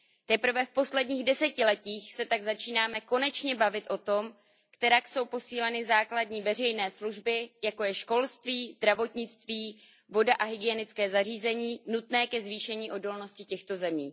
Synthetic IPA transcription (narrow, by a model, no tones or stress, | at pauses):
t̪ɛpɾ̩vɛfpo̞slɛdɲiːɣdɛsɛcɪlɛciːxsɛt̪aɡzat͡ʃiːnaːmɛko̞nɛt͡ʃɲɛbavɪt̪ʔo̞t̪o̞m | kt̪ɛɾakso̞wpo̞siːlɛnɪzaːkladɲiːvɛr̝ɛjnɛːsluʒbɪjako̞jɛʃko̞lst̪viːzd̪ɾavo̞t̪ɲɪt͡st̪viː | vo̞daʔaɦɪɡɪɛnɪt͡skɛːzariːzɛɲiːnut̪nɛːkɛzviːʃɛɲiːʔo̞do̞lno̞scɪcɛxt̪o̞zɛmiː